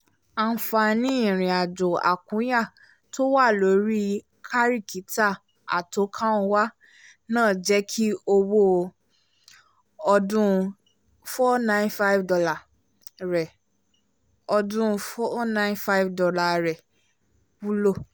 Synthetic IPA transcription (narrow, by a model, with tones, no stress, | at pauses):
ã˧˨fa˧nĩ˦ĩ˦˨ɾ̃ĩ˨a˨d͡ʒo˨a̰˨kũ˨˦ja˦˨ | to˦wa˦˨lo˨˦ɾi˦ | kʰa˦ɾi˦˨ki˨˦ta˦˨ | a̰˨to˨˦kʰã˦o˧wa˦ | nãː˦˨d͡ʒɛ˨˦kʰi˦o˧wo˦ | ɔ˧dũ˦ | fɔ˦nã˦ĩ˦nfa˦i˦vdɔ˧la˨ | ɾɛ˨ | ɔ˧dũ˦˧fɔ˦nã˦ĩ˦nfa˦i˦vdɔ˧la˧˨ɾɛ˨ | wu˦lo˦˨